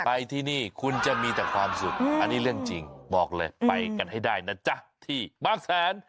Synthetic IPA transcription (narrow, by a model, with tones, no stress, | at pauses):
pa˧jt̪ʰiː˧˩niː˥˩kʰu˧nt͡ɕa˧˩miː˧t̪ɛː˨˩kʰwaː˧msu˨˩k̚ʔa˧nːiː˦˥˩lɯ˥˩əŋt͡ɕi˧ŋbɔː˨˩k̚lɤː˧jpa˧jka˧nha˥˩jdaː˥˩jna˥˩t͡ɕa˧˩t̪ʰiː˧˥˩baː˧˥˩ŋsaː˨˩˦n